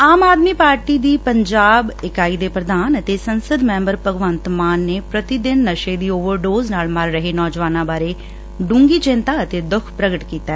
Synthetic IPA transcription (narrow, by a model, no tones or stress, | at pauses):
aːmaːd̪miːpaːɾʈiːd̪iːpəɲd͡ʒaːbɪkaːiːd̪eːpɾəd̪aːnət̪eːsənsəd̪mɛ̃ːmbəɾpəɡʋənt̪maːnːeːpɾət̪iːd̪ɪnːəʃeːd̪iːoːʋəɾɖoːznaːlməɾːəɦeːnɔːd͡ʒʋaːnãːbaːɾeː | ɖũːŋɡiːt͡ʃɪnt̪aːət̪eːd̪ʊkʰpɾəɡəʈkiːt̪aː